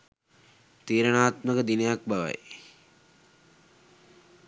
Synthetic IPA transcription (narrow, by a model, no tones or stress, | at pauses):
t̪iːɾənaːt̪məkəd̪inejak̚baʋa̰j